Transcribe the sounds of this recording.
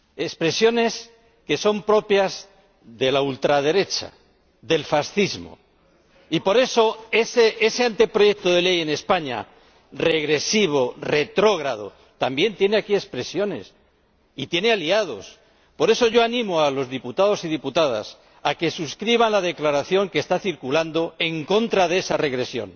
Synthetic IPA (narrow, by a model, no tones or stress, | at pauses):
e̞spɾe̞sjo̞ne̞s | ke̞so̞mpɾo̞pjaz | ðe̞lault̪ɾaðe̞ɾe̞t͡ʃa̰ | ðe̞lfasθizmo̞̰ | ipo̞ɾe̞so̞esee̞se̞ant̪epɾo̞je̞k̚t̪oðe̞le̞je̞ne̞spaɲa̰ | re̞ɣ̞ɾe̞siβ̞o̞re̞t̪ɾo̞ɣ̞ɾað̞o | t̪ambje̞nt̪je̞ne̞akie̞spɾe̞sjo̞ne̞̰s | it̪jene̞aliað̞o̞s | po̞ɾe̞so̞ʝo̞anĩmoalo̞zðiput̪aðo̞siðiput̪að̞a̰s | ake̞suskɾiβ̞anlað̞e̞klaɾaθjo̞ŋkest̪aθiɾkuland̪o̞e̞ŋkõ̞nt̪ɾaðee̞sare̞ɣɾe̞sjo̞̰n